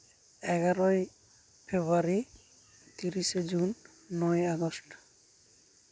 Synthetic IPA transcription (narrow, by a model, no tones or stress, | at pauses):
ɛɡaɾɔj | pʰebuaɹi | t̪iɹisezunː | ɔjaɡɔst